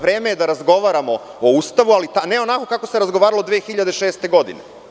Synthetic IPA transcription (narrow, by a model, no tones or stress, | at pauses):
ʋɾe̞ːmejed̪aɾazɡo̞ʋaːɾamo̞ouːst̪aʋualit̪aneo̞nako̞kakose̞ɾazɡoʋaːɾalod̪ʋeːxiʎad̪eʃe̞ːst̪e̞ɡo̞d̪ḭne